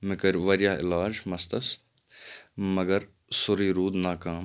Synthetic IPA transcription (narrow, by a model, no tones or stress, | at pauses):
mɪkəɾʋɐɾjaːɪ̰laːd͡ʒmɐst̪ɐs | mɐɡəɾ | sʊɾiːɾuːd̪naːkaːm